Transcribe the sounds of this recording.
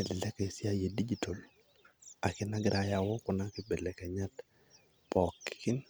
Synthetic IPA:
ɛ˨lɛ˦kɛ˨sɪ˦a˦je˨di˦d͡ʒi˨tʰo˨l | a˨kɪ˦na˦ɡɪɾʔa˨ja˨wo˦kʊ˨nakɪ˦be˨lɛ˨kɛ˨ɲa˦t | pɔ˨kːɪ̥kɪ˦n

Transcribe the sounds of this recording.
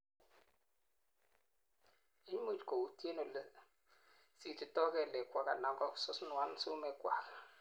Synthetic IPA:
i˦ɲ˦mu˦˨tko˨u˨te˦no˨l | si˨ti˨tɔ˦kɛ˨lɛ˨kwa˨ka˨na˨ŋɡɔ˦ksʊ˦snu˨a˦nsu˦mɛ˨kwa̰˨k

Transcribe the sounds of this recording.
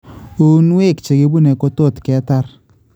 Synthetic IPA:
u˦n˦we˦˨kt͡ʃe˨ke˦bu˦nɛ˨ko˦to˦˨tkɛ˨˦ta˦r

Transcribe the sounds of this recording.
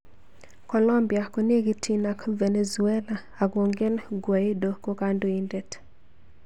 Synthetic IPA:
kɔ˨lɔ˦mbja˨ko˨nje˦ɡi˦tʰi˦na˦kve˨ne˨zuɛ˦la˨ | a˨ɡo˨ŋɡe˦nɡwa˨ɪ˦do˨ko˦ka˦ndo˨i˦nde˨t

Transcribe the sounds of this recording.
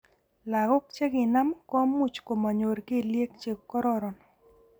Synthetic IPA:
la˨ɡɔ˦k̚t͡ʃe˦ɡɪ˨na˦mkɔ˦mu˦t͡ʃko˨ma˨ɲo˨ɾke˦lje˦k̚t͡ʃe˨kːɔ˦ɾɔ˦ɾɔ˨n

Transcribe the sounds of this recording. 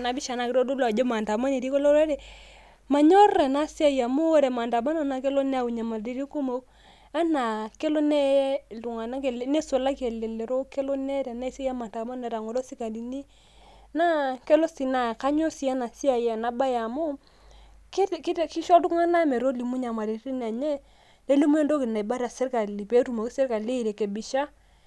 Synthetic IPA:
na˨bi˦ʃa˨na˨ki˦ɾo˦du˦lɔ˨d͡ʒo˦ma˨nta˨ma˦ne˨ɾi˦ko˦lo˦ɾe˦ɾɛ˨ | ma˨ɲɔ˦rɾɛ˨na˦si˦a˦˨ja˨mu˦o˦ɾɛ˨ma˨nta˨ma˦no˦˨˦na˨ke˦lo˦n˦a˦˨u˨ɲa˨ma˨ldi˦ɾi˦ko˦mo˨ | a˦na˨ke˦lo˦nɛ˦˨du˨ŋa˨na˦ke˨le˨ne˦so˨la˦ke˨le˨le˨ɾo˦ke˦lo˦nɛ˦ɾɛ˨na˦i˨se˦ja˦ma˨nta˨ma˦n˦a˨ɾa˨ŋo˨lo˦si˦ka˨di˨ni˦ | na˦kɛ˦lo˦si˨na˨ka˦ɲo˦si˦a˦na˨si˦a˨ja˨na˨ba˦ja˨mu˦ | ki˦˨ki˦tki˦ʃɔ˦tu˦ŋa˦na˦me˨ɾo˦li˨mu˦ɲa˨ma˨ɾi˨ɾi˦n˨a˨ɲɛ˦ | ne˦le˦mu˦ɛ˦ndo˦ki˨na˨ba˦ɾa˨se˦ɾka˨li˨pe˦tu˨mo˨kse˦ɾka˨le˦i˨ɾe˨ke˨bi˨ʃa˦

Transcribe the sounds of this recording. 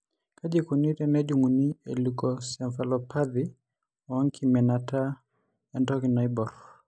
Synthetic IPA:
ka˦d͡ʒi˨ku˨ni˦tɛnɛ˦d͡ʒu˨ŋu˨ni˦ḛ˨lukɔsɛ˨ɱfa˨lɔpʰa˦d̪ɪ˨ | ɔ˦ŋkʰimɛ˨nata˦ | ɛ˨ndɔ˦ki˨na˨ɪbɔ˨ɾ

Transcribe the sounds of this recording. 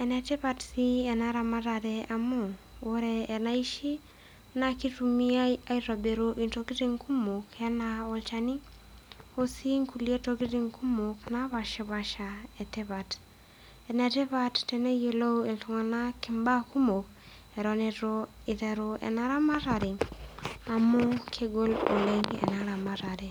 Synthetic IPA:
ɛnɛ˨tɪ˦βatsi˦ɛ˨naɾa˨ma˦ɾa˨ɾɛa˨mo˦ | o˦ɾɛː˨na˦i˦ʃi˦ | na˦ki˦tu˨mia˦iɾa˨be˨ɾoʔi˨ntoki˦ɾi˦ŋku˦mo˨kɛ˦naɔlt͡ʃani˦ | o˦si˦ŋku˨lie˦toki˦ɾi˦ŋku˦mokna˦βa˨ʃi˦βa˨ʃaɛ˨te˦βat | ɛ˨nɛte˦βa˦tːɛne˦je˨lo˦ue˨lto˨ŋa˨na˦kɪmba˦ku˦mo˨k̚ | ɛɾɔneɾoɪ˨ðɛ˨ɾoʔɛ̰naɾa˦ma˦ɾaɾi˨ | a˨mo˦kʰeɡo˦lo̰˨le˦nɛ̰˨naɾa˨ma˦ɾaɾe˨

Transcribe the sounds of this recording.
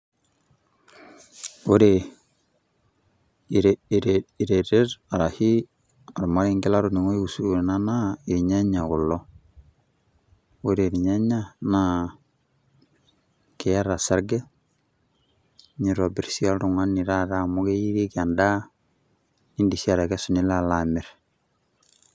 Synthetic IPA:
o˦ɾe˨ | ɾɾi˨ɾe˨ɾɛ˦ɾa˨ɾa˨hi˦ | a˨ɾma˦ɾi˦ŋɡɛ˦la˦ɾu˨ni˨ŋo˦i˦u˨su˦ɾna˦na˦i˨ɾɲa˦ɲa˨ɡu˨lːɔ˦ | o˦ɾe˨ɾɲa˦ɲa˦na˦ | kɛ˨ja˦ɾa˨sa˦ɾɡɛ˦ | ɲi˨ɾɔ˨bɛ˨ɾsi˦a˦lɾu˨ŋa˦ni˨ɾa˦ɾa˦mu˦ɡe˦ji˦ɾi˦ki˨a˨nda˦ | ni˦ndi˨si˦a˨ɾa˨ɡɛ˦su˨ni˦la˦la˨mɛ˨ɾ

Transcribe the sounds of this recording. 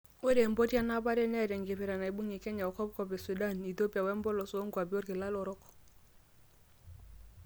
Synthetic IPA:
o˦ɾe˨mbo˦ti˦a˦na˦ba˦ɾɛ˦nɛ˦˨ɾɛ˨ŋɡɪ˨pɛ˨ɾa˨na˨i˨bu˦ŋi˨kɛ˦ɲa˨ɔ˨kɔ˦p̚kɔ˨pɛ˨su˨da˦˨ni˨t̪o˦pi˨a˨wɛ˦m˦bɔ˦lɔ˨sɔ˦o˦ŋɡwa˨bi˦o˦ɾkɪ˨la˦lɔ˨ɾɔ˦k

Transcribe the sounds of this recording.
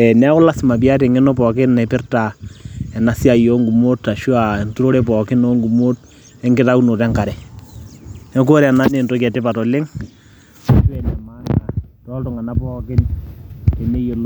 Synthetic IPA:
ɛ˨nɛ˦kʊ˦la˦sɪ˨ma˨p̬i˦a˦te˨ŋɪ˦no˦pɔ˨kɪ˦nɛ˨pɪ˦rta˨ɛ˨na˨si˦a˨jo˦ŋɡu˨mo˦tːa˨ʃu˦a˨ntu˦ɾo˦ɾe˦pɔ˨kɪ˦no˦ŋɡu˨mo˦t̚ | ɛ˦ŋɡɪ˦ta˦u˦no˨tɛ˦ŋka˨ɾɛ˨ | nɛ˦ko˦ɾɛ˨na˦ne˨nto˦kɛ˨tɪ˦pa˨tɔ˨lɪ˦ŋ | a˨ʃu˦ɛ˨nɛ˨ma˦ŋɡa˨tɔ˦ltɔ˨ŋa˨na˦pɔː˦kɪ˦n | tɛ˨ne˦jo˨l

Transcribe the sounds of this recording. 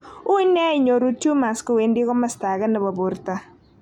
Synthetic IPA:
ʊ˦ɪ˦nɛ˦ɪ˨ɲo˨ɾu˦tju˦ma˨skɔ˨we˨ndɪ˦kɔ˦ma˦sta˨ɡɛ˦nɛ˨ba˨bo˨ɾta˦

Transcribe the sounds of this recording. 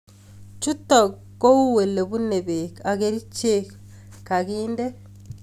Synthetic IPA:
t͡ʃu˦tɔ˨kːo˦u˦we˨le˨bu˦ne˨be˨ka˨ɣe˦ɾi˦t͡ʃe˦k | kːa˨ɡiːnde˦

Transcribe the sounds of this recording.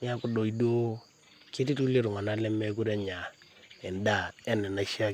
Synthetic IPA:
ɲa˦ku˦do˨i˨do˦ | ke˦ti˦tu˦le˦˨ɾu˨ŋa˨na˨˦lɛ˦me˦k̬u˦ɾe˦ɲa˨ | ɛ˨nda˦˨ɛ˦nɛ˨na˨˦ʃi˦a˦

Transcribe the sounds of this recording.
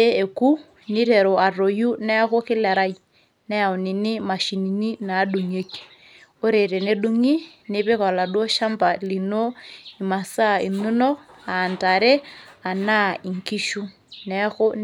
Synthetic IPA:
e˦e˨ku˦ | nɪ˦ɾe˨ɾo˨ʔa˨ro˨ju˦nɛ˦kʊ˦kɪ˦lɛ˨ɾa˦ji | nɛ˦a˨wni˨nɪ˦ma˨ʃi˨ni˨ni˦naː˨˦du˨ŋe˦k | o˦ɾe˨ɾe˨ne˦du˦ŋi˦ | nɪ˦bɪ˦kɔ˨la˨dwo˦ʃa˦mba˨li˨no˦i˨ma˨sa˦i˨nu˦nɔ˦a˨nta˨ɾe˦a˨na˦i˨ŋki˦ʃu˦ | nɛ˦xʊ˦

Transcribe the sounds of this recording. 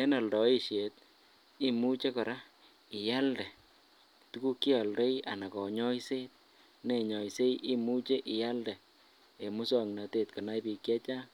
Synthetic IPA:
e˦na˨ldɔ˨i˦ʃe˨t̚ | i˦mu˦t͡ʃe˦kɔ˨ɾa˦ | ɪ˨ja˦ldɛ˨ | tu˦ku˦kːi˦a˨ldɔ˦ia̰˨na˨kɔ˨ɲɔ˦jse˦t̚ | ne˨ɲɔ˨jse˦iʔi˦mu˦t͡ʃe˦ʔi˨ja˦ldɛ˨ | e˨mu˦sɔŋna˨te˨t̚kɔ˨na˦jpi˨˧kjɛ˦t͡ʃa˦

